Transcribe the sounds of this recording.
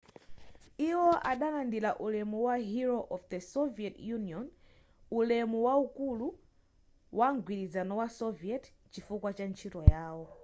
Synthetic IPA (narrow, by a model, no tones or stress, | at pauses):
iwɔʔaɗalandilaʔulɛmuwaɦiɾɔʔɔfd̪əsɔviɛtjuniɔn | ulɛmuwaukulu | wʔaŋɡwiɾizanɔwasɔviɛt | t͡ʃifukwat͡ʃant͡ʃʰitɔjaːwɔ